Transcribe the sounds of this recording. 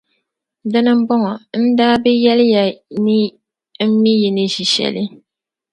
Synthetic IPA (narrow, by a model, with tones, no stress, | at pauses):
da˦nɨ˦m̩˦bɔ˦ŋɔ˨n̩˦daː˦bɛ˦jɛ˦lɪ˦ja˨ni˦ | m̩˦mi˦ji˨nɨ˦ʒi˨ʃɛ̰˨lɨ˦